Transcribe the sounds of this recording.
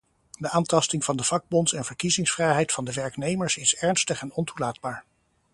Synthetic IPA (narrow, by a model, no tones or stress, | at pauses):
dəʔaːntɑstɪŋv̥ɑndəv̥ɑɡ̚bɔntsɛnvəɹkizɪŋsfrɛjɦɛjtfɑndəʋɛɹknejməɹsɪsɛɹnstəχɛnɔntulaːd̚baːɹ